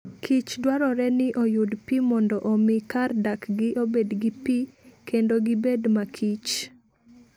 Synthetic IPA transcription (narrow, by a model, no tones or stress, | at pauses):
kʰit͡ʃdwaɾɔɾɛnɪʔojudpimɔndɔʔɔmɪkardakɡɪʔobedɡɪpikʰendoɡɪbedmakʰit͡ʃ